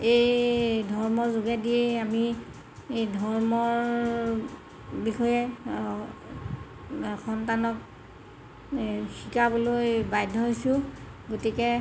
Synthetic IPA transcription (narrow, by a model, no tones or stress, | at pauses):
ejdʱɔɹmɔzoɡɛdijeami | ejdʱɔɹmɔɹ | bixɔjɛ | xɔntanɔk̚ | xikabolojbajdʱɔɦojsʊ̃ɡotikɛ